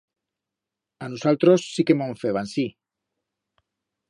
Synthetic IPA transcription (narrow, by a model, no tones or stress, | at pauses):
anusalt̪ɾosːikemoɱfeβansi